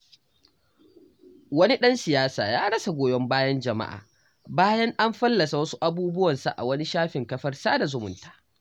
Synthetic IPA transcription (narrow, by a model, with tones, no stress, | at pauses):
wɐ˦ni˦ɗɐ˦nsɪ˨jaː˦saː˨jaː˦ɽɐ˦sa˨ɡʷoː˨jɔ˦mbaː˦jɐ˦nd͡ʒɐ˨ma̰˦ʔa̰ː˨ | baː˦jɐ˦ŋʔa˦mɸɐ˦lːɐ˨sa˨wɐ˦su˦ʔa˦buː˦bʊ˦wɐ˨nsa̰˨ʔa̰˨wɐ˦ni˦ʃaː˦ɸɪ˨ŋkɐ˦ɸɐ˦rsaː˦da˨zʊ˨mʊ˨ntḁː˨ʔ